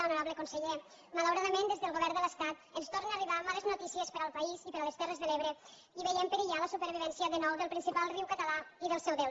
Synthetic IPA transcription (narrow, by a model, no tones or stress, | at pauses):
əlnoɾaβləkonsəʎe | maləwɾaðəmend̪ezðəlˠɣoβɛɾnd̪ələst̪at̪ənst̪oɾneaəriβamaləznot̪isiəspəɾəlˠpəizipəɾələst̪ɛrəzðəleβɾə | iβəjempəɾiʎaləsupəɾβ̞iβ̞ɛnsiəðənɔwðəlˠpɾinsipalˠriwkət̪əlaiðəlˠsɛwðe